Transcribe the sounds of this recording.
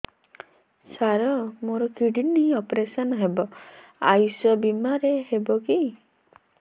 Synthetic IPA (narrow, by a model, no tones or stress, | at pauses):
saɾɔmoɾɔkiɽiniɔpɾesɔnɔɦebɔa̰jsɔbimaɾeɦebɔki